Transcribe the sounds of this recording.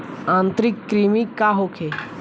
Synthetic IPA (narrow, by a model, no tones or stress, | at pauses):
ãːnt̪ɾɪkːɾiːmikaɦokʰeː